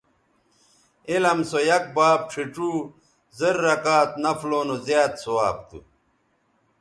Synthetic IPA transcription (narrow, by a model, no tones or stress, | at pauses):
elɐmsojɐk̚baːb̚ʈ͡ʂʰiʈ͡ʂuː | zɐɾːɐkaːt̪̚nɐfloːnozjaːt̪sowaːp̚t̪ṵ